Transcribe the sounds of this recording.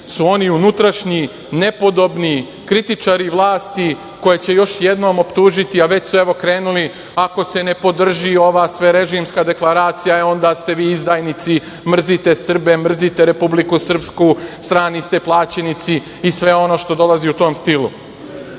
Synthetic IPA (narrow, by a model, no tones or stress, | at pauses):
suo̞niunut̪ɾaʃɲi | ne̞po̞d̪o̞bni | kɾit̪it͡ʂaɾiʋlˠaːst̪i | ko̞jet͡ɕe̞jo̞ʃje̞d̪no̞ːmo̞pt̪uːʒit̪iaʋe̞t͡ɕsue̞ʋo̞kɾe̞ːnuli | ako̞sene̞po̞d̪r̩ʒio̞ʋaːsʋe̞ɾe̞ʒimskad̪e̞klaɾaːt̪sijaio̞nd̪ast̪e̞ʋiːizd̪aːjnit̪si | mr̩zit̪e̞sr̩be̞mr̩zit̪e̞ɾe̞publikusr̩pskust̪ɾaːnist̪e̞plˠaːt͡ɕenit̪si | isʋe̞o̞no̞ːʃt̪o̞d̪o̞laziut̪o̞ːmst̪ilṵ